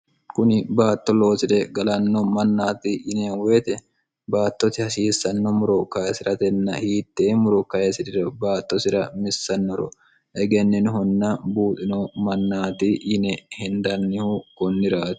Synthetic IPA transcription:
kʊnɪbaːt̪ːɔlo̞ːsɪd̪ɛɡɐlɐnːɔmɐnːaːt̪ɪjɪnewet̪ɛ | baːt̪ːɔt̪ɪhɐsiːsːɐnːɔmʊɾɔkɐjɐsɪɾɐt̪ɛnːɐhiːt̪ːeːmʊɾɔkːɐjɐsɪɾɪɾɛbaːt̪ːɔsɪɾɐmɪsːɐnːɔɾɔ̰ | ʔɛɡɛnːɪnhɔnːɐbuːt̪ʼɪnomɐnːaːt̪ɪjɪnɛhɪnd̪ɐnːɪhukɔnːɪɾaːt̪ɪ̥

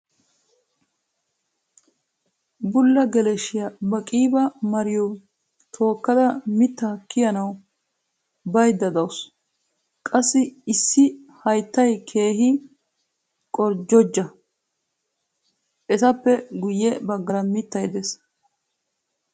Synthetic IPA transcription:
bʊlːɐɡɛlɛʃɪjɐbɐkʼiːbɐmɐɾɪjɔ | t̪ʰo̞ːkːɐd̪ɐmɪt̪ːɐhɐkːɪjɐnɐw | bɐjd̪ːɐd̪ɐws | kʼɐsːɪɪsːɪ | hɐjt̪ːɐjkʰe̞ːɦɪ | kʼɔɾd͡ʒːɔd͡ʒːɐ | ʔɛt̪ɐpːɛɡʊjːɛbɐɡːɐɾɐmɪt̪ːɐjd̪ɛs

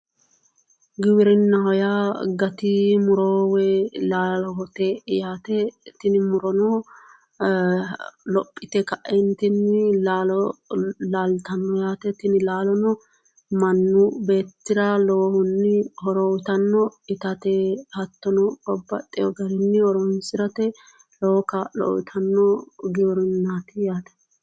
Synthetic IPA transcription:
ɡɪwɪɾɪnːɐɦɔjaɡɐt̪imʊɾoːwɛlaːlɔɦɔt̪ejaːt̪ɛt̪ɪnɪmʊɾɔnɔː | lɔpʼːɪt̪ɛkɐʔɛnt̪ɪnːɪlaːlɔlaːlt̪ɐnːɔjaːt̪ɛt̪ɪnɪlaːlɔnɔ | mɐnːʊbeːt̪ːɪɾɐloːhʊnːɪhɔɾɔwɪt̪ɐnːɔɪt̪ɐt̪ehɐt̪ːɔnɔbɔbːɐ̰t̪ʼːɪjɔɡɐɾɪnːɪhɔɾɔmsɪɾɐt̪ɛ | loːkɐlɔ̰wɪ̰t̪ʰɐnːɔɡɪjɔɾɪnːat̪ɪjaːt̪ɛ̥

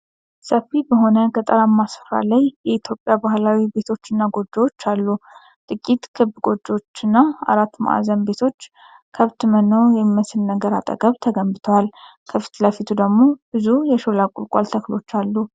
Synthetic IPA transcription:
səfːibəɦo̞nəɡət̪ʼəɾamːasfɾa̰lajjɛit̪ʰjo̞pʼːjabahlawibe̞t̪ʰo̞t͡ʃːɨnːaɡo̞d͡ʒawo̞t͡ʃːalːu | t̪ʼɨkʼːit̪kʰɨbɡo̞d͡ʒːo̞t͡ʃːɨnːaa̰ɾat̪ːma̰ʔa̰zənbe̞t̪ʰo̞t͡ʃː | kʰəβt̪ʰɨmənəwjɛmːiməsɨlnəɡəɾa̰t̪ʼə̰ɡəβt̪ʰəɡəmbɨt̪ʰəwalkʰəfi̥t̪ʰləfit̪ʰud̪əɡmo̞bɨzujɛʃolakʼʊ̰lkʼa̰lt̪ʰəklo̞t͡ʃːalːu

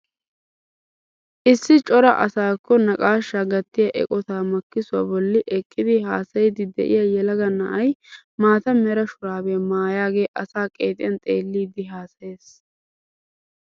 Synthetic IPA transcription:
ʔɪsːɪt͡ʃʼɔɾɐ̰ʔɐsaːkːɔnɐkʼaːʃːɐɡɐt̪ːɪjɐʔɛ̰kʼɔt̪aːmɐkːɪsʊɐ̰bɔlːɪʔɛkʼːɪd̪ɪɦaːsɐjd̪ɪd̪ɛ̰ʔɪ̰jɐjɛlɐɡɐnːɐ̰ʔɐj | maːt̪ɐmɛɾɐʃʊɾaːbeːmaːjaːɡe̞ːʔɐsaːkʼeːt̪ʼɪjɐnt̪ʼeːlːiːd̪ɪɦaːsɐjeːs

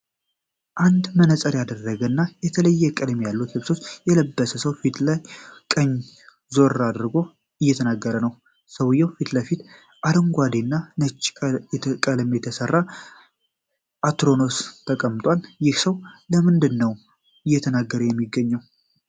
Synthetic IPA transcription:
ʔand̪mənəsʼəɾjad̪ərːəɡənːajɛt̪ʰələjːɛkʼɨlmjalːut̪hɨβso̞t͡ʃːjɛləbːəsəsəwfit̪lajkʼəɲ | zo̞ɾːad̪ɨɾɡo̞ | ɨjːɛt̪ʰənaɡːəɾənəw | səwjːɛwfit̪ləfit̪ | ʔad̪əŋɡʷad̪enːanət͡ʃʼːɛkʼəlmjɛt̪ʰəsərːa | ʔat̪ɾo̞no̞st̪ʰəkʼəmt̪ʼwaljɪhsəwləmɨnd̪ɨnːəw | ɨjːɛt̪ʰənaɡːəɾəjɛmːiɡːəɲːəw

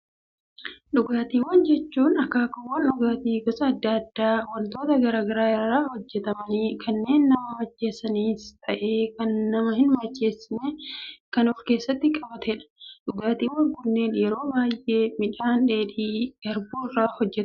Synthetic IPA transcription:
ᶑʊɡaːt̪iːwɐnd͡ʒɛt͡ʃːuːnɐkːaːkːɔwːɐnᶑʊɡaːt̪iːɡɔsɐːd̪ːɐɐd̪ːaːwɐlt̪o̞ːt̪ɐɡɐɾaːɡɐɾaːɪrɐraːhɔd͡ʒːɛt̪ɐmɐniːkʰɐnːe̞ːnːɐmɐmɐt͡ʃːe̞ːsːɐniːst̪ʰɐʔe̞ːkɐnːɐmɐhɪnmɐt͡ʃːe̞ːsːɪnekɐnʊːfke̞ːsːɐt̪ːɪkʼɐbɐt̪ɛᶑɐ̥ᶑʊɡaːt̪iːwɐɡʊbnːe̞ːnjɛɾo̞ːbaːjʔe̞ːmɪᶑaːnᶑe̞ːᶑ̪iːɡ̥ɐɾbuːɪrːaːhɔd͡ʒːɛt̪

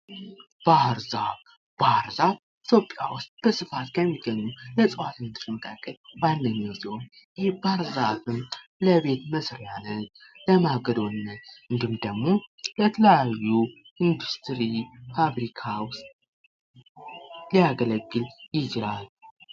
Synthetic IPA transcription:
b̥aɾza | b̥aɾzat | it̪ʰjopʼja̰wʊst̪̚ʼbəsɨfat̪kʰəmːiɡəɲːuləsʼəwat̪mɨnd̪ɾɨʃməkʰʼakʼːəlwand̪əɲːosiho̞n | jɪhebaɾzaβɨm | ləβe̞t̪məsɾjanɨnləmaɡəd̪onːənɨnd̪ɨmd̪əɡmo̞lət̪ʰələjajːu | ʔind̪ust̪ʰɾifaβɾikʰawʊst̪̚ʼ | liaɡələɡːɨljɪd͡ʒɪɾal

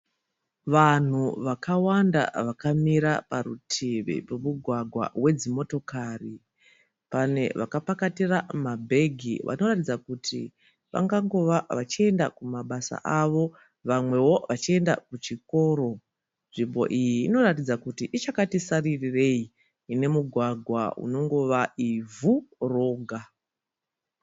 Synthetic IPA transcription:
ʋan̤uʋakʰawanda̰ʋakamiɾapaɾṵtʰiʋḭpumuɡʱwaɡʱwa̰we̞d͡zimo̞to̞kaːri | pane̞ʋakapakatiramabʱe̞ɡʱiʋa̰no̞ratid͡zakutʰḭ | ʋa̰ŋɡaŋɡoʋaʋat͡ʃie̞nda̰kumaɓasa̰ʔaʋo̞ | ʋamwe̞wo̞ʋat͡ʃie̞nda̰kut͡ʃiko̞ːɾo̞ | ʐimbo̞̰ʔijiːno̞ratid͡zakutiʔit͡ʃakatisaririre̞i | ine̞muɡʱwaɡʱwaṵno̞ŋɡo̞ʋaivuro̞ːɡʱa

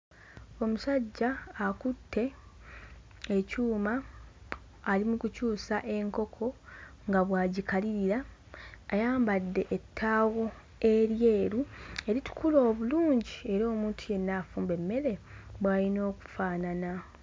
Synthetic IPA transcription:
o̞musaɟːaːkutʰːe̞ | cuːma | limukucuːsaʔe̞ŋko̞kʰo̞ | ŋɡaβwaːɟikaliɾiɾaː | jaːmbadːe̞ʔetʰːaːɣo̞ | e̞ɾje̞ːɾue̞ɾitu̥kulo̞ːβuluːɲɟie̞ɾo̞ːmuːntʰuje̞nːaːfuːmbe̞mːe̞leβwaːlino̞ːku̥faːnana

